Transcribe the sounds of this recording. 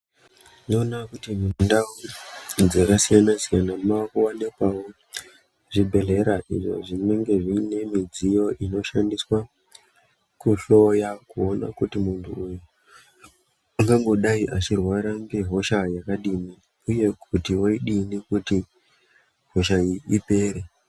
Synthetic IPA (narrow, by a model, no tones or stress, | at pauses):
no̞nakutimindaud͡zakasijanasijanamakuwane̞kwawo | ʐibʱe̞ɮe̞ɾaʔḭʐo̞̰ʐinwe̞ŋɡe̞ʐine̞mid͡zijo̞ʔino̞ʃandiswa | kuɬo̞jakuo̞na̰kutimuntʰuuju | aŋɡaŋɡo̞ɗaiʔat͡ʃirwaɾaŋɡe̞ɦo̞ʃajakaɗimi | uje̞kutiwoiɗinikuti | ɦo̞ʃaiipe̞ːɾe